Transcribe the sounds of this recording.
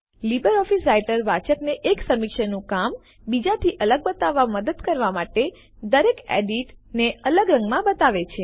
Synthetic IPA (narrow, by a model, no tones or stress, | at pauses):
libəɾɔfisɾajʈəɾʋat͡ʃəkneʔeksəmikʃənũkam | bid͡ʒat̪ʰiʔələɡbət̪aʋːaməd̪əd̪kəɾʋamaʈe | d̪əɾekḛɖiʈneələɡɾə̃ŋɡmãbət̪aʋet͡ʃʰe